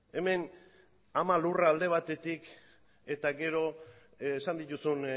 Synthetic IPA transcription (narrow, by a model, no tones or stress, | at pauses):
e̞me̞n | amaluraːld̪e̞β̞at̪e̞t̪ik | e̞t̪aɡe̞ɾo̞ː | sand̪it̪usun